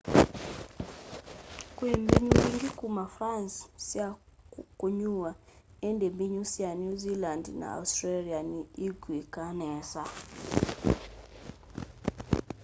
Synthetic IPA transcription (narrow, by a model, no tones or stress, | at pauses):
kwembiɲuiŋɡikumafɾanssjakoɲuwa | endembiɲusjanjuzilandna̰a̰ustɾalianiiɡwekanɛsa